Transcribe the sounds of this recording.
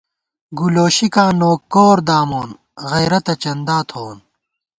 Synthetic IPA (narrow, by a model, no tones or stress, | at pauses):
ɡuloːɕikãːnoːkːoːɾd̪aːmoːn | ɣɐjɾɐt̪ɐt͡ɕɐnd̪aːt̪ʰoːn